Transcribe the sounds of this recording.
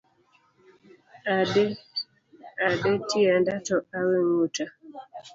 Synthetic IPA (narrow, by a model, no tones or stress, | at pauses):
ade | adetiandatɔaweŋuta